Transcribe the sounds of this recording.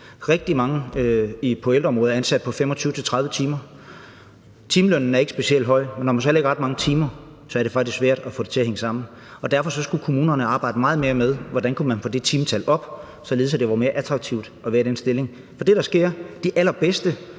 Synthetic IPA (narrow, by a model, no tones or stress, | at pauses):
ʁɛɡ̥̚d̥imɑ̈ŋəipʰo̽eld̥ɒ̽mʁɔːðˠɐænsæd̥̚pʰɒ̽fem̰ɒ̽t͡sʰyːʊət͡sʰe̝lt͡sʰʁɑ̈ð̞ˠʋət͡sʰiːmɐ | t͡sʰiːmlønn̩æɐe̝ɡ̥sb̥e̝siel̰d̥ɦɒ̽ɪ̰menːɒmæns̬ɒ̽leɡ̥ɐʁɑ̈d̥mɑ̈ŋət͡sʰiːmɐ | sɒ̽æɐɾ̥efɡ̥̚isksʋæɐ̰d̥æfɔ̰̽ːɾe̝t͡sʰe̝ɐheŋəsɑ̈m̰n̩ | ɒ̽d̥æɐfɒ̽sɒ̽sɡ̥ukʰo̝muːnɐnəɑ̈ːb̥ɑ̈ɪ̰dəmɑ̈ːð̩ˠme̝ːɐmeðˠʋɒd̥ænkʰumænfɔ̽d̥e̝t͡sʰiːmt͡sʰælɒ̽b̥ | sɒ̽le̝ð̩ˠsæd̥e̝ʋɑ̈me̝ːɐʔæt͡sʰʁɑɡ̥̚t͡sʰiʊ̰d̥ʔɒʋæːɐɾ̥ensd̥e̝le̝ŋ | fɒ̽d̥e̝ɾ̥ɑ̈sɡ̥e̝ɐ̰d̥iʔælɐb̥esd̥ə